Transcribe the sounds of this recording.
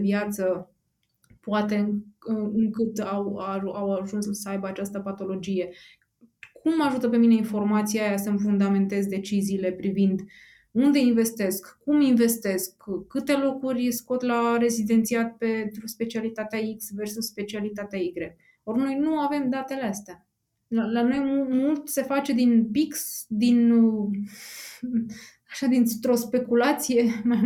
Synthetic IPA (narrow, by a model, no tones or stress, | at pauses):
vjat̪sə | poat̪e̞ | ɨŋkɨt̪awaawaʒunssəajbəat͡ʃast̪əpat̪o̞lo̞d͡ʒije̞ | kʰumːaʒut̪əpe̞mine̞info̞rmat̪siajasəmfund̪ame̞nt̪e̞zd̪e̞t͡ʃiziːle̞pɾivind̪ | und̪e̞inve̞st̪e̞skːuminve̞st̪e̞skːɨt̪e̞lo̞kurʲsko̞t̪lare̞zid̪e̞nt̪siat̪̚pe̞nt̪ɾuspe̞t͡ʃialit̪at̪eaiksversusspe̞t͡ʃialit̪at̪eaiɡɾe | o̞rno̞jnuave̞md̪at̪e̞least̪ea | alano̞jmumult̪se̞fat͡ʃe̞d̪inpiksd̪in | aʃad̪int̪ɾo̞spe̞kulat̪sije̞m